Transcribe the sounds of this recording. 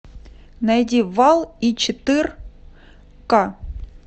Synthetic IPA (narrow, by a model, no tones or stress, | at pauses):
nɐjdʲivalˠit͡ɕɪt̪ɨr | ka